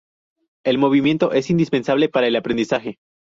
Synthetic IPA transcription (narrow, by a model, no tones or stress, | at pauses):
e̞lmo̞β̞imje̞nt̪o̞ʔe̞sind̪ispe̞nsaβ̞le̞paɾae̞lapɾend̪isaxe̞